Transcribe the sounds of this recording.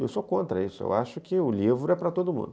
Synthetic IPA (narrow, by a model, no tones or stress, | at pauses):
ḛwsokõnt̪ɾɐ̰isʊḛwaʃʊkɪʊlivɾʊɛpɾɐt̪od̪ʊmṵ̃d̪ʊ